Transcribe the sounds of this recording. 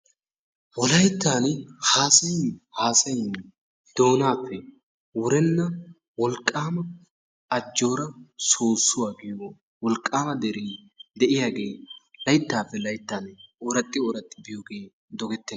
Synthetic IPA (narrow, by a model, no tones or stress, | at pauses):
wɔlɐjt̪ːaːnhaːsɐjɪhaːsɐjɪn | d̪̥o̞ːnaːpːɛ | wʊɾɛnːɐ | wɔlkʼːaːmɐ | ɐd͡ʒːo̞ːɾɐsoːsːʊwaːɡɪjoː | wɔlkʼːaːmɐd̪ɛɾiː | d̪ɛʔɪjaːɡe̞ːlɐjt̪ːaːpːɛlɐjt̪ːaːnɔɾɐt̪ʼːɪɔɾɐt̪ʼːɪbɪjoɡe̞ː | d̪ɔɡɛt̪ːɛn